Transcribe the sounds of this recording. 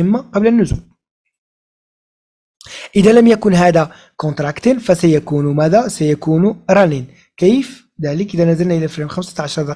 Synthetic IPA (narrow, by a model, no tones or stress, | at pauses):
əmːaqɑblənːʊzṵːl | ʔəd̪ælæmjækʊnɦæd̪æ | kɔ̃nt̪ɾˤɑkt̪ənfæsajækunmæd̪asajækunɾˤɑnin | kijf | d̪æləkʔəd̪ænæzəlnaʔəlæfəlmxamsḁʕaʃɑɾˤd̪ɑ